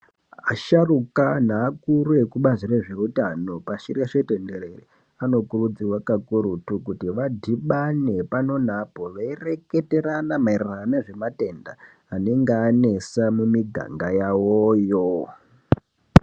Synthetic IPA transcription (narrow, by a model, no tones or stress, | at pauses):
aʃarukanaːkuɾue̞kuɓazire̞ʐe̞utano̞paʃirjaʂete̞nde̞reri | ano̞kurud͡ziwakakuɾutukutiʋadʱiɓane̞pano̞napo̞ʋaire̞ke̞te̞ɾanamairraneʐe̞mate̞ndaː | neŋɡeane̞samumiɡʱa̰ŋɡajawojo